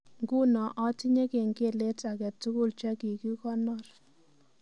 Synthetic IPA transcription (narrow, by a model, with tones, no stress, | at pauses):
ŋɡu˦nɔ˨ʔɔ˦ti˦ɲɛ˦ke˨ŋɡe˦˨le˦ta˨kɛ˨tu˦ku˦˨lt͡ʃɛ˦ki˨ki˦kɔ˦nɔ˦˨r